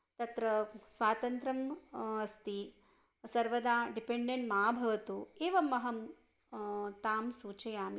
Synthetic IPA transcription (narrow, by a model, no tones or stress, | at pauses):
t̪ɐt̪ɾɐsʋaːt̪ɐnt̪ɾɐmɐst̪i | sɐɾʋɐd̪aːɖipeɳɖeɳʈmaaːbʱɐʋɐt̪ueːʋɐmːɐɦɐm | t̪aːmsuːt͡ʃɐjaːm